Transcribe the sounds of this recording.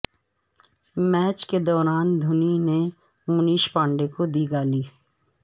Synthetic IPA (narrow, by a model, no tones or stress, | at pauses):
mɛːt͡ʃked̪ɔːɾaːnd̪ʱʊnine | mʊniːʃpãːɳɖekod̪iːɡaːliː